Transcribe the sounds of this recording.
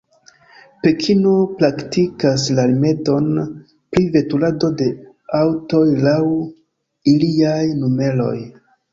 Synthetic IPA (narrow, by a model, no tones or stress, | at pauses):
pe̞kʰino̞pɾaktikas̬lalime̞do̞n | pɾive̞tulado̞de̞ | awto̞jlaw | iliajnume̞lo̞̰j